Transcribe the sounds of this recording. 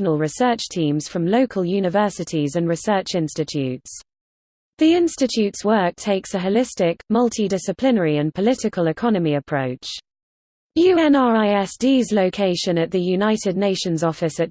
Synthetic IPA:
nəlˠɹɪsɜˑt͡ʃtʰĩːmz̥fɹə̃mləʊkʰəlˠjʉːnɪvɜˑsɪtʰizə̃nɹɪsɜˑt͡ʃɪ̃nstɪt͡ʃʰʉ̰ˑts | ðiɪ̃nstɪt͡ʃʰʉˑtswɜˑk̚tʰeɪksəɦəlɪstɪkmʌlˠtʰidɪsɪpʰl̥ɪnəɹiə̃npʰəlɪtɪkʰəlɪkʰɒnəmiəpʰɹ̥əʊt͡ʃ | jʉːɛ̃nɑːɹaɪɛsd̥iːzləʊkʰeɪʃə̃nəʔðəjʉnaɪtʰɪdⁿneɪʃə̃nzɒfɪsət

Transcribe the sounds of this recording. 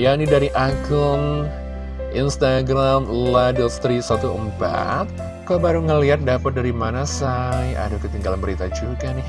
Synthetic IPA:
janidaɾiʔaɡʊm | ʔinst̪aɡɾamladəlst̪ɾisat̪uʔəmpa̰t̪̚ | kaobaɾuŋəliat̪̚dapət̪̚daɾimanasaja̰dakət̪iŋɡalanbəɾit̪ad͡ʒuɡanɪh

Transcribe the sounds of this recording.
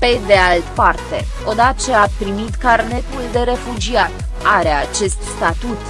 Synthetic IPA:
pe̞d̪e̞alt̪part̪e̞̰ | o̞d̪at̪t͡ʃeapɾimit̪karne̞t̪uld̪e̞ɾe̞fud͡ʒiat̪aɾeat͡ʃe̞st̪st̪at̪ut̪

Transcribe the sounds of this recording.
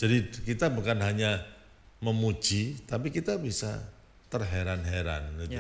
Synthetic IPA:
d͡ʒadikit̪abukanɦaɲa | məmu̥d͡ʒ̥it̪apikit̪abisa̰ | t̪ərɦeɾanɦeɾa̰nu

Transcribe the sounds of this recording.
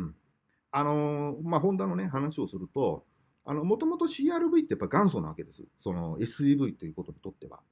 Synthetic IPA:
ɯ̟̃ɴ | ano̞maɦõ̞nd̪anoneɦanaɕio̞sɨɾɯ̟t̪o̞ | a̰no̞mo̞t̪o̞mo̞t̪o̞ɕiːaːɾɯ̟bɯ̟it̪e̞japːaiɡãɰ̃s̬onaβake̞d̪e̞sɨ̰so̞no̞e̞sɨibɯ̟it̪ːe̞jiɯ̟ːko̞t̪o̞ɲ̟i̥t̪o̞t̪ːe̞βa̰

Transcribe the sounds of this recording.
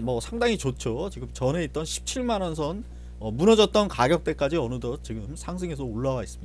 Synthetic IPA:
mʌsʰaŋdaŋit͡ɕot͡ɕʰot͡ɕiɡɯmt͡ɕʌne̞it̚t͈ʌnɕʰi̥p̚t͡ɕʰiɭmanʌnsʰʌn | ʌmunʌd͡ʑʌt̚t͈ʌnkaɡjʌk̚t͈e̞k͈ad͡ʑiʌnɯdʌt͡ɕiɡɯmsʰaŋsʰeŋe̞s̬ʰʌoɭːawais͈ɯmɲida

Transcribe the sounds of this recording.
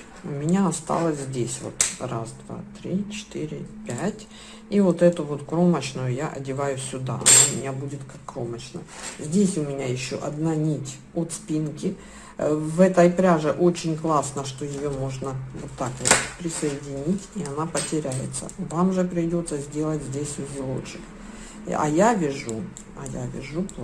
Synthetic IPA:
ʊmʲɪnʲaɐst̪a̰lˠəsʲzʲdʲesʲvo̞̰t̪ra̰sd̪va̰t̪ɾʲit͡ɕɪ̥t̪iɾʲɪpʲætʲ | ivot̪ɛt̪ʊvo̞t̪kɾo̞mət͡ɕnʊjʊjaʔɐ̰dʲɪvajʊsʲʊd̪a̰ɐ̰namʲɪnʲabudʲɪt̪kakːɾo̞mət͡ɕnə̰zʲdʲesʲʊmʲɪnʲajɪɕːo̰ʔɐd̪nanʲitʲ | ot̪spʲinkʲɪ | vɛt̪ɐjpɾʲaʐɨʔot͡ɕɪnʲklˠasnəʂt̪o̞jɪjo̞mo̞ʐnəvot̪ːakvot̪pɾʲɪsɐɪdʲɪnʲitʲiɐnapətʲɪɾʲæjɪt̪sə̰vamʐɨpɾʲɪdʲo̞t̪səzʲdʲe̞lˠətʲzʲdʲesʲɪzʲɪlˠo̰t͡ɕɪk | ɐ̰javʲɪʐu | ɐja̰vʲɪ̰ʐu

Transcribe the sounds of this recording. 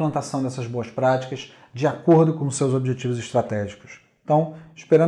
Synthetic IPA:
lɐ̃nt̪asɐ̃w̃d̪ɛsɐzboɐspɾat͡ʃi̥kɐz | d͡ʒɪakoɾd̪ʊkõʊsewzobiʒet͡ʃivʊzɪʃt̪ɾat̪ɛʒikʊ̥s | t̪ɐ̃w̃ɪʃpeɾɐ̃

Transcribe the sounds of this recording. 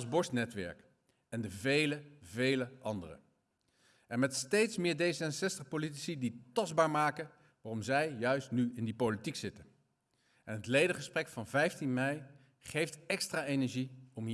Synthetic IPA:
lˠzbɔɹsnɛtʋɛ̰ɹk | ɛndəvejləvejləʔɑndə̰rə̰ | ʔɛnmɛtstejtsmɪːɹdejsəɛnsɛstəχpolit̬i̥siditɑzbaːɹmaːkə | ʋaːrɔmzɛjjœɥstnyɪndipowlitiksɪtən | ɛnɦətlejdəχəsprɛkfɑnvɛjftinmɛj | χejftɛkstraːenɛɹʒiɔm

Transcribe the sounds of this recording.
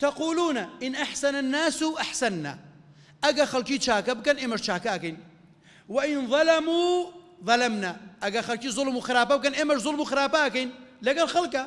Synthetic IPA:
t̪ɐquːluːnaʔɪnʔaħsɐnanːaːsuʔaħsɐnːa̰ː | ʔɐɡɐxɐlkiːt͡ʃaːkɐbɨkɐnʔeːmɐʃt͡ʃaːkaʔɐkɐjn | wɐʔɪnðˤɑlɐmuː | ðˤɑlɐmnaːʔɐɡɐxɐlkiːzʊlmuxɪɾaːpɐbɨkɐnʔeːmɐʃzˤʊlmuxɪɾaːpaʔɐkɐjnlɐɡɐlxɐlkɐ

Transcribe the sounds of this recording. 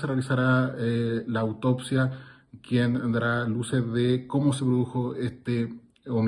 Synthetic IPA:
serealisaɾa | laːwt̪opsja | kjend̪aɾaluseðeko̞mosepɾoðuxoest̪e | om

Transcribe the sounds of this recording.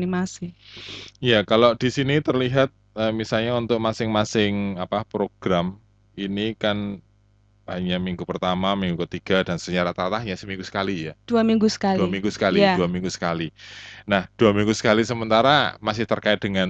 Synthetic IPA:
nimasi | jakalod̥isinit̪ərliɦat̪̚əmisalɲaunt̪ʊk̚masɪŋmasɪŋapapɾoɡ̥ɾam | inikan | aɲaʔmiŋɡupərt̪amamiŋɡukət̪iɡ̥adansəɲaɾat̪aɾat̪ahɲasəmiŋɡusə̥kalijad̥uamiŋɡusə̥kaluamiŋɡusə̥kaliduamiŋɡusə̥kalinahd̥uamiŋɡusə̥kalisəmənt̪aɾamas̬ɪht̪ərkaɪt̪̚dəŋan

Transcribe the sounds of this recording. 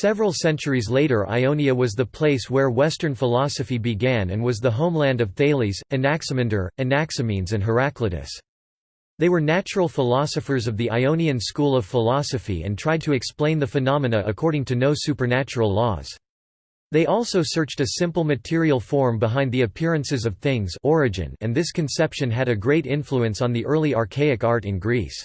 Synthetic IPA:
sɛvɹl̩ˠsɛ̃nt͡ʃə˞izleɪɾə˞ʔa̰ɪõʊ̃niɨwʌzðɨpʰl̥eɪswə˞wɛstə̃˞nfəlɑsɨfibɨɡæ̃nɨ̰̃nwʌzðəɦõʊ̃mlæ̃ndʌvθeɪlˠizɨ̃næksɨmɨ̃ndə˞ɨ̃næksɨmĩnzɨ̃nɦə˞æklɨɾɨ̰s | ðeɪwə˞næt͡ʃɹl̩ˠfəlɑsɨfə˞zʌvðiʔaɪõʊ̃niɨ̃nskulˠʌv̥fəlɑsɨfḭɨ̰̃ntʰɹ̥aɪd̚tʰɨɨksplẽɪ̃nðɨfɨnɑmɨnɨʔɨkʰɔɹɾɪ̃ŋtʰɨnoʊsʉpə˞næt͡ʃəɹl̩ˠlɔ̰z̥ | ðeɪʔɔlˠsoʊsɜ˞t͡ʃtɨsɪ̃mpl̩ˠmɨtʰɪɹil̩ˠfɔɹmbəɦãɪ̃nðiɨpʰɪɹɨ̃nsɨzʌv̥θɪ̃ŋzɔɹɨd͡ʒɨ̰̃nɨ̃nðɪskʰɨ̃n̩sɛpʃɨ̃nɨɾɨɡɹeɪɾɪ̃ɱfluɨ̃nsn̩ðiʔɜ˞lˠiɑɹkʰeɪɨkɑɹɾɨ̃nɡɹis

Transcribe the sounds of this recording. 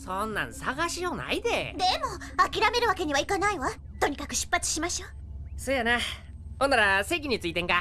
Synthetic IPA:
sonːã̰ɰ̃saɡaɕiona̰id̪ed̪e̞moakʲiɾame̞ɾɯ̟βake̞ɲ̟iβaikanaiβa | t̪o̞ɲ̟ikakɯ̟ɕɨ̥pːat͡sɨ̥ɕimaɕoː | soːjana | onaɾase̞ːk̬ʲiɲ̟it͡sɨiːt̪ẽ̞ŋka

